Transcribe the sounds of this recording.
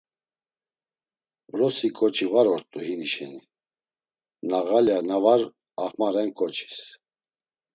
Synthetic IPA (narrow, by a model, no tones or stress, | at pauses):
bɾɔsikʼɔt͡ʃʰivaɾɔɾt̪ʼuɦiniʃɛni | naɣaljanavaɾ | aχmaɾɛnkʼɔt͡ʃʰi̥s